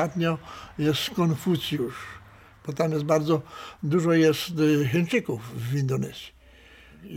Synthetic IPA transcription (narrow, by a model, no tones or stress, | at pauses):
at̪ɲɔjɛst̪kɔnfusʲjuʂ | b̥ɔt̪amjɛs̬baɾd̪zɔd̪uʐɔjɛst̪xɛnt͡ʂɘkufːind̪ɔnɛzʲi̥